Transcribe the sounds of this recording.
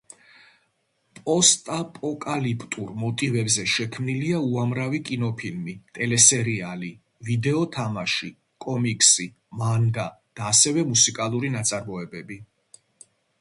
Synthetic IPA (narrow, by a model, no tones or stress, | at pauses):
pʼɔst̪ʼapʼɔkʼalipʼt̪ʼuɾmɔt̪ʼivɛbzɛʃɛkʰmniliauamɾavikʼinɔpʰilmit̪ʼɛlɛsɛɾiali | vid̪ɛɔt̪ʰamaʃi | kʼɔmikʼsi | maŋɡa | d̪̥aːsɛvɛmusikʼalˠuɾinat̪sʼaɾmɔɛbɛbi